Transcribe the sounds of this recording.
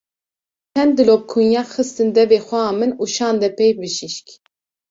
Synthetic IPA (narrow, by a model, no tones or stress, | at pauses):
t͡ʃʰɛnd̪ɨlop̚kʰunjɑːxɨst̪ɨnd̪ɛveːxʷɛɑːmɨnuːʃɑːnd̪ɛpʰɛjbɨʃiʃkʲ